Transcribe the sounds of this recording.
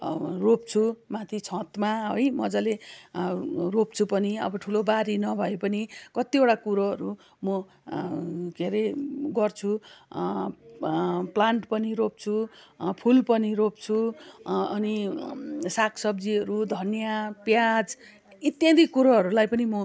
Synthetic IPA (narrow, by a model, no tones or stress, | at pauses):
ropt͡sʰumãt̪ʰit͡sʰʌ̃t̪maɦojmʌd͡zʌle | rop̚t͡sʰupʌniʌ̰bʌʈʰulobaɾinʌbʱʌepʌnikʌt̪ioʈakuɾʌɦʌɾu | mʌ | ɡʱeɾeɡʌrt͡sʰu | plaɳʈpʌniɾop̚t͡sʰupʰulpʌniɾop̚t͡sʰu | ʌni | sakʰsʌbd͡ziʌɾud̪ʱʌnjapjad͡z | it̪jãd̪ʱikuɾʌɦʌɾulajpʌnimʌ